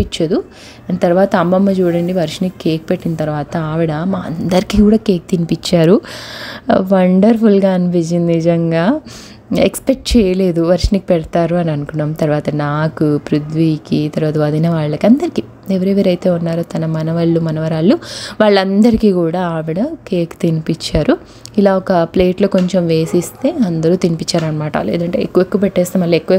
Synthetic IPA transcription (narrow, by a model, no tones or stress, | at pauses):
pit͡ʃːɐd̪u | ɐnt̪ɐɾʋaːt̪ɐːmːɐmːɐd͡ʒuːɽɐɳɖiʋɐɾʂnikːeːk̚peʈːinɐt̪ɐɾʋaːt̪ɐaːʋiɽɐmaːɐ̰nd̪ɐɾikiːkuːɽaːkeːk̚t̪inipit͡ʃːaːɾu | ʋɐɳɖɐɾpʰulɡaːɐnipid͡ʒind̪iid͡ʒɐŋɡaː | ekspek̚ʈt͡ʃɛːjɐle̞ːd̪uʋɐɾʂnik̚ːpɛɽɐt̪aːɾuɐniɐnukunːaːmt̪ɐɾʋaːt̪ɐnaːkupɾud̪ʋiːkit̪ɐɾʋaːt̪ɐɐd̪inɐʋaːɭːɐkɐnd̪ɐɾikiː | eʋɐɾeʋɐɾɐjt̪e̞ːunːaːɾot̪ɐnɐmɐnɐʋɐɭːumɐnɐʋɐɾaːɭːuʋaːɭːɐnd̪ɐɾikiːkuːɽaːaːʋiɽɐkeːkt̪inipit͡ʃːaːɾu | ilaːɔkɐpleːʈloːko̞ɲt͡ʃemʋe̞ːsist̪e̞ːɐnd̪ɐɾuːt̪inipit͡ʃːaːɾɐnɐmaːʈɐ̰lḛːd̪ɐɳʈeḛkːuʋekːuʋɐpɛʈːɛːst̪eːmɐlːɐekːuʋɐ